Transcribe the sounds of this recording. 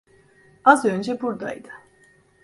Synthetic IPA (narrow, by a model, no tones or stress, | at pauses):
azø̞nd͡ʒɛbuɾd̪a̰jd̪ɯ̥